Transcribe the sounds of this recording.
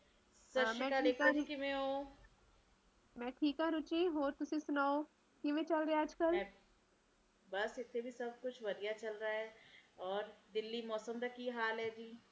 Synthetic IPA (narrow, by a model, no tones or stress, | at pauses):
səɾʃmɛ̃ːkaleːkəɾkɪmɛ̃ɦoː | mɛ̃ːʈʰiːkãɾʊt͡ʃiːɦoːɾt̪ʊsĩːsʊnaːo | kɪʋẽːt͡ʃəlɾeaəd͡ʒkəlɛ̃ | bɐsɪt̪ʰːebʱisɐb̚kʊt͡ʃʰʋɐɾijat͡ʃɐlɾaɦɛːɔːɾd̪ɪlːimɔːsəmd̪akːiɦaːlɦɛːd͡ʒiː